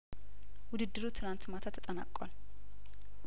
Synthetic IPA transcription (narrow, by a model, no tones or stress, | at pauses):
wʊd̪ɨd̪ːɨɾut̪ʰɨlant̪mat̪ʰat̪ʰːət̪ʼəna̰kʼːa̰l